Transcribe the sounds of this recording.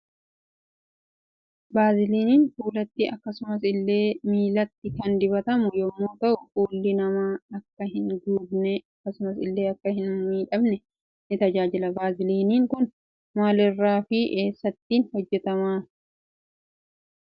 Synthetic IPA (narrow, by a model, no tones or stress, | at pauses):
baːzɪliːniːnfuːlɐt̪ːɪʔɐkːɐsʊmɐsɪlːe̞ːmiːlɐt̪ːɪkɐnd̪ɪbɐt̪ɐmʊjɔmːo̞ːt̪ɐʔʊfuːlːɪnɐmaːɐkːɐɦɪnd̪uːbnɛɐkːɐsʊmɐsɪlːe̞ːɐkːɐhɪnmiːᶑɐbnɛ | nɪt̪ɐd͡ʒaːd͡ʒɪlɐbaːzɪliːniːŋkʊn | maːlɪrːaːfɪʔe̞ːsːɐt̪ːiːnhɔd͡ʒːɛt̪ɐmaː